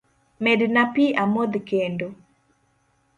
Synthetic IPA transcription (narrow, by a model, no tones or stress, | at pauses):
mɛdnapiʔamod̪kendo